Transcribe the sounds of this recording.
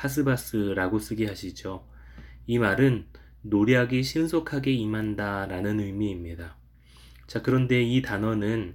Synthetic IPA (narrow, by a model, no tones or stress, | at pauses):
as̬ʰɯbas͈ɯɾaɡos͈ɯɡiɦaɕʰid͡ʑo | imaɾɯnː | oɾiɦaɡeɕʰinsʰokʰaɡe̞imɦandaɾanɯnɯmiːmɲida | t͡ɕakɯɾʌnde̞itanʌnɯn